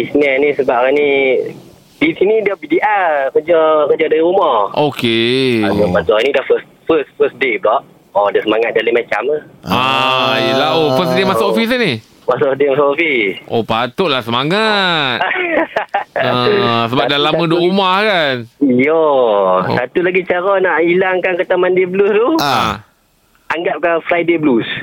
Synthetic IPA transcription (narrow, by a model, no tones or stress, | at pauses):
isnɛnĩsəbap̚kani | disinidiapidiʔakəd͡ʒɔkəd͡ʒɔdaɾiɾumɔokemapat̪ɔnidahfəs | fəsfəsdeblɔʔ̚ | ɔdasəmaŋat̪̚dalimat͡ʃaməajəlaɦofəsdeʔmasaʔofisani | masɔʔdemasaʔofisʔopat̪oʔlahsəmaŋat̪̚ | əəsəbap̚dalamə̃duumahkanijɔ | sat̪ulaɡit͡ʃaɾɔnaʔilaŋkankət̪amandeblust̪u | aŋɡap̚kafɾajdeblus